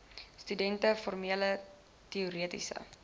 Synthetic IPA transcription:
stydɛntəfɔrmiələ | tiuɾiətḭsə̰

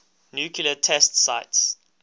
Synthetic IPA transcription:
njukʰilətʰɛstsaɪts

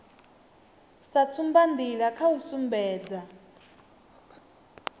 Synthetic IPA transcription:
sat͡sʰumband̪iɺakʰausumbɛːd͡za

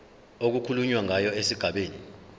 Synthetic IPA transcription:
ok̬ukʰuluɲwaŋajɔesiɡ̥ʱaɓeːni

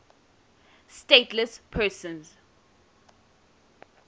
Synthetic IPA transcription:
stetʰlɛspʰɛsə̃nz

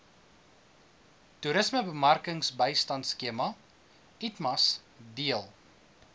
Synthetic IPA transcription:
tuɾəsməbəmɐrkəŋsbəjstɐntskiəmɐ | itmɐsdiəlˠ

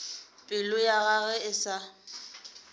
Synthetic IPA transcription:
pʼɪlʊjaɣaɣɛɪsa

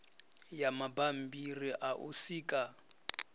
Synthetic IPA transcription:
jamabam̩biriʔaʔṵsiːkʼa

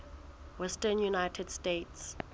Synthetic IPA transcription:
wɛstənjunajtʰɛd̥stets

